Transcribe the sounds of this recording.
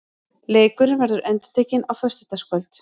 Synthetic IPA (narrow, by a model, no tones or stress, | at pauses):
leːjkʏɾvɛɾðʏɾʔɛnt̪ʏ̥t̪ʰɛːcɪnawfœst̪ɪt̪askvœlt̪